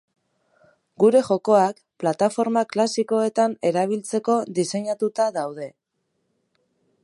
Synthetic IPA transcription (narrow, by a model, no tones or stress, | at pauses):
ɡuɾe̞ʝo̞ko̞ak | plat̪afo̞ɾmaklasiko̞e̞t̪ane̞ɾaβ̞ilt͡se̞ko̞ðise̞ɲat̪ut̪aðawð̞e̞